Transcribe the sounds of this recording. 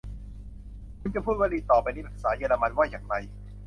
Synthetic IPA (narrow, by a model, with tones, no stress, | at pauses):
kʰu˧nt͡ɕa˨˩pʰuː˥˩t̪̚waː˥˩diː˧t̪ɔː˨˩pa˧jni˥˩pʰa˨˩saː˩˦jeː˧la˧ma˧nwaː˥˩jaː˨˩ŋɾa˧j